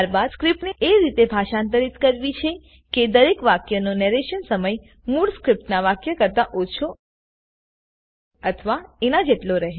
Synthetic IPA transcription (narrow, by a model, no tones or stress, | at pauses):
t̪aɾbad̪skɾipneʔeɾit̪ebʱaʃant̪̬əɾit̪kəɾʋit͡ʃʰe | ked̪əɾekʋakjənonɛɾeʃənsəməj | muɽskɾip̚ʈnaʋakjəkəɾt̪aʔot͡ʃʰo | ət̪ʰʋaenad͡ʒeʈloɾəɦe